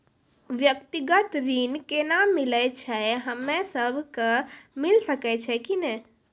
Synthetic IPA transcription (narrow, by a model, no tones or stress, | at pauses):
ʋjək̚t̪iɡət̪ɾinkenamilət͡ʃʰɛɦəmːẽsəbʱkəmilsəkɛt͡ʃʰɛkinɛ